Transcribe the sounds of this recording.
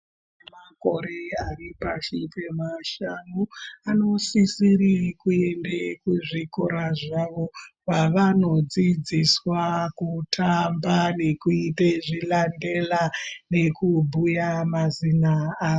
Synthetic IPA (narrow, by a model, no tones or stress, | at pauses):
mako̞ɾe̞aripaʃipemaʃanuano̞sisirikue̞ndekuʐikoɾaʐaʋo̞ʋaʋano̞d͡zid͡ziswakutʰambane̞kuiteʐilande̞lane̞kubʱujamazinaːo